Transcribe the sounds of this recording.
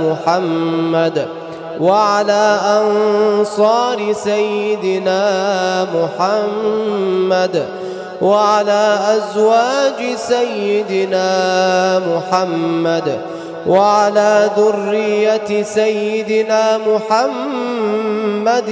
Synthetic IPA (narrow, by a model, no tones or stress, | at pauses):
mʊħamːad̪ | waʕalaːʔɑnsˤɑːɾɪsajːɪd̪ɪnaːmʊħamː | ad̪ | waʕalaːʔazwaːd͡ʒɪsajːɪd̪ɪnaːmʊħamːad̪ | waʕalaːðʊrːɪjːat̪sajːɪd̪ɪnaːmʊħam | ad̪